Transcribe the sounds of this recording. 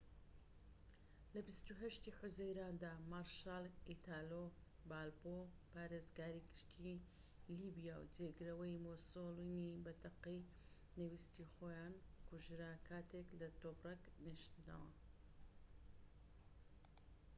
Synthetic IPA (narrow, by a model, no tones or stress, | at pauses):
lɐbist̪uɦɐʃt̪iːħʊzɐjɾaːnd̪aːmaɾʃaːlˠit̪ʰaːlo | baːlbo | paːɾezɡaːɾiɡɨʃt̪ʰi | libijawd͡zeɡɾɐwɐjmosolinibɐt̪ʰɐqij | nɨwist̪ixoːjaːnkuʒɾaːkʰaːt̪ʰeklɐt̪obrɐkniʃt̪na̰wɐ